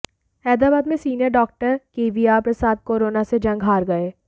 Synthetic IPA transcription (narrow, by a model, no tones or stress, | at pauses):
ɛːd̪aːbaːd̪mẽsiːnjəɾɖɔːk̚ʈəɾkeːʋiaːpɾɐsaːd̪̚koːɾoːnased͡ʒɐ̃ŋɡɦaːɾɡɐeː